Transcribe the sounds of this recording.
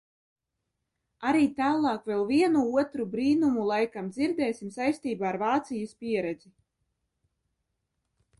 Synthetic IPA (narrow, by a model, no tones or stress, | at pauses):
aɾiːt̪aːlˠɑːkvɛlˠviɛnuuɔt̪ɾubɾiːnumulˠajkamd̪ziɾd̪ɛːsʲimsajst̪iːbaːɾvaːt̪sijaspʲiɛɾɛd̪zi